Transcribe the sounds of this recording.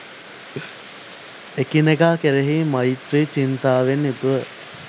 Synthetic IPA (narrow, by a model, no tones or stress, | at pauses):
ekineɡaːkeɾeɦiːmɐjit̪ɾit͡ʃint̪aːʋenːut̪uʋə